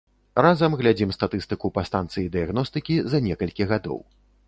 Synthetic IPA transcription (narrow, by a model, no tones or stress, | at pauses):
razɐmɣlʲad͡zʲimst̪at̪ɨst̪ɨkupɐst̪ant̪sɨjid̪ɨjaɣnɔst̪ɨkʲizɐnʲɛkɐlʲkʲiɣad̪ɔ̰w